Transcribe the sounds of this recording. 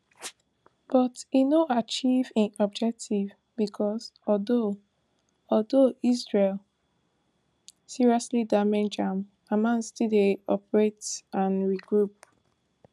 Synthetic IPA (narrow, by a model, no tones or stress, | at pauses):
b̥ɔtinoʔat͡ʃivĩnɔb̚d͡ʒɛk̚tʰiv | bikʰɔsɔldo | ɔldoisɹel | siɹiɔslidamɛ̃nd͡ʒãm | amãnstideɔ̰pɹetãnɹiɡɹup̚